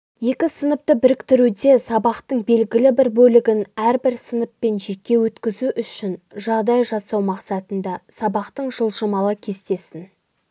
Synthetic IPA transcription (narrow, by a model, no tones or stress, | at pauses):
je̞kʲɪsənəp̚t̪əbɪɾɪkt̪ɪɾud̪e̞sɑbɑqt̪əɴbe̞lɡʲɪlɪbɪɾbɵlɪɡʲɪnæɾbɪɾsənəpːe̞nʒe̞kʲːe̞wɵt̪kʲɪzuʔʏʃɪnʒɑʁd̪ɑjʒɑsɑwmɑqsɑt̪ənd̪ɑsɑbɑqt̪əɴʒəlˠʒəmɑlˠəkʲʰe̞st̪e̞sɪn